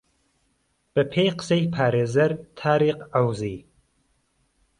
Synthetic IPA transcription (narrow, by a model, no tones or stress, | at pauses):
b̥ɨpʰejqə̥sejpʰaːɾeːzɐɾt̪ʰaːɾiːqawziː